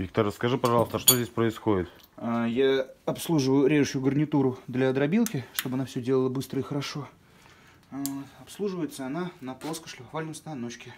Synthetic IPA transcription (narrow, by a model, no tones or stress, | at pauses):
vʲik̚t̪ərəskɐʐɨpɐʐɑlˠəst̪əʂt̪odʲesʲpɾəɪsxodʲɪt̪ | ajaɐpslˠuʐɨvəjʊɾʲeʐɨɕʊjʊɡərnʲɪt̪uɾʊd̪lʲaːd̪ɾɐbʲilˠkʲɪʂt̪obɐnafsʲɵdʲelˠəlˠəbɨst̪ɾəixəɾɐʂo̞ | ɐpslˠuʐɨvəjɪt̪səɐnanɐplˠoskəʂlʲɪɐvalʲnəmst̪ɐnot͡ɕkʲɪ